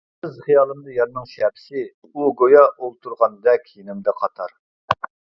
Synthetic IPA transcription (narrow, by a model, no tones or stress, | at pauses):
ɪzχijɑːlˠɨmd̪ɑjɑɾnɨŋʃɛpɪ̥sɪ | uɡojɑolˠt̪ʰuɾʁɑnd̪ɛkʲʰjinɪmd̪ɛqʰɑt̪ʰɑɾ